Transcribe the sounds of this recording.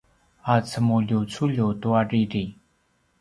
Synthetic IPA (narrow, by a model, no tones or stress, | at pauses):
at͡sʰəmolot͡sʰulot̪owarerel